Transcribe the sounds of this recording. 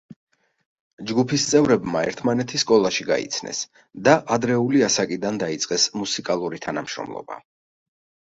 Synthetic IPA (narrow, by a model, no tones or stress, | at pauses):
d͡ʒɡupʰist̪sʼɛvɾɛbmaɛ̰ɾt̪ʰmanɛt̪ʰisːkʼɔlˠaʃiɡa̰ḭt̪sʰnɛ̰s | d̪aʔad̪ɾɛuliasakʼid̪and̪ait̪sʼqʼɛsmusikʼalˠuɾit̪ʰanamʃɾɔ̰mlˠɔ̰ba̰